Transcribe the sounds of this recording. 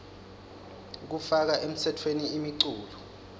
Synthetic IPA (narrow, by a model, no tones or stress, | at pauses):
k̬ufak̬aʔem̩tʰɛtʰweniimiǀuːlɔ